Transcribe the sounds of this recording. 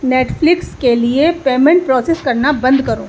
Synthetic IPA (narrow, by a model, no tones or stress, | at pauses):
neːʈfʰlɪkskeliepeːmẽɳʈ̚pɾɔːseskɐɾnabɐ̃nd̪kɐɾoː